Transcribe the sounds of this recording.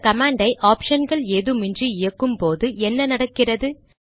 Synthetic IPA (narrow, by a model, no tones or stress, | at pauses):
kɐmaːɳɖɐɪʔaːpʂɐnɡɐɭeːðɯmɪndriɪjɐkːɯmpoːðɯʔɛnːɐnɐɽɐkːɪrɐðɯ